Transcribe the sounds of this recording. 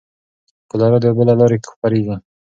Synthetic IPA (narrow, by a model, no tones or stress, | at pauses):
kəlɑɾad̪əjabəlalɑɾekxpaɾeɡi